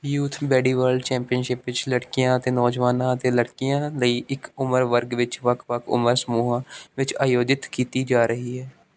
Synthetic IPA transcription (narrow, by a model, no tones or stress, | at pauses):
juːt̪ʰbɛːɽiːʋəɾɖt͡ʃɛ̃ːmpɪjənʃɪpʋɪt͡ʃləɽkɪjãːət̪eːnɔːd͡ʒʋaːnãːət̪eːləɽkɪjãːləiːʔɪkʊməɾʋəɾɡʋɪt͡ʃʋəkʰʋəkʰʊ̰məɾsəmuːɦãːʋɪt͡ʃaːjoːd͡ʒɪt̪kiːt̪iːd͡ʒaːɾəɦiːɦɛː